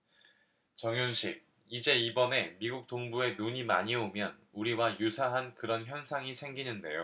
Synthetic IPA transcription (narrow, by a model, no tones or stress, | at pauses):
t͡ɕʌŋjunɕʰik̚ | id͡ʑe̞ibʌne̞miɡuk̚t͈oŋbue̞noɲima̰ɲiomjʌnuɾiwajusʰaɦankɯɾʌnçjʌnsʰaŋisʰe̞ŋɡinɯnde̞̰jo